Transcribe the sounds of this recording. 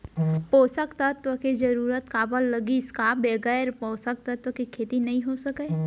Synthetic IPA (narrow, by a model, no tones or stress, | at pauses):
poːsəkt̪ət̪ʋəked͡ʒəɾuːɾət̪kaːbəlːəɡiɪskabeːɡəɾpoːsək̚t̪ɐt̪ʋəkikʰeːt̪inɐɦĩɦosəkə